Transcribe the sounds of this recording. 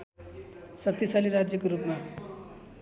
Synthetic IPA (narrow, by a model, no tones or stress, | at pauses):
sʌt̪ːisaliɾad͡zjʌkoɾupma